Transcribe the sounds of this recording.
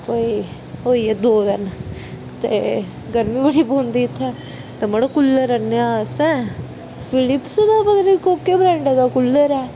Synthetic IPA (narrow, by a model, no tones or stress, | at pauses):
poi | ɦoːiːɛd̪oːd̪ən | t̪eː | ɡəɾmĩːbəɽiːboːnd̪iːɪt̪ʰːɛː | t̪eːməɽokʊlːəɾənːeaːsɛ̃ː | pʰɪlɪpsd̪aːbəd̪nikokeːbɾɛːɳɖeːd̪aːkʊlːəɾɛː